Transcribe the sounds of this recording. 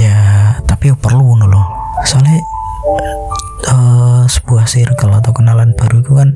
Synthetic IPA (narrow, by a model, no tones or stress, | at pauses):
jat̪apipərluunulʊhsale | əsəb̥uahsirkəlat̪awkənalanb̥a̤ɾuk̪ukan